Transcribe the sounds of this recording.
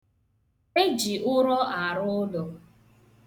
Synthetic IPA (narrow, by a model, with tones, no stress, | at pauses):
e˦d͡ʒi˨ʔʊ˦ɾɔ˦ʔa˨ɾʊ˦dɔ˨